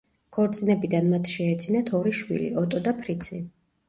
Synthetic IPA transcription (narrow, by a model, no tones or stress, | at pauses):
kʰɔɾt̪sʼinɛbid̪anmat̪ʰʃɛːt̪sʰinat̪ʰɔɾiʃwḭlḭɔt̪ʼɔd̪apʰɾit̪sʰi